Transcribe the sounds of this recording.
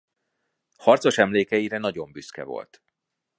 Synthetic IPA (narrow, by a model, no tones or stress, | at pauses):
hɒrt̪soʃɛmleːkɛjiɾɛnɒɟo̞mbyskɛ̰vo̞̰lt̪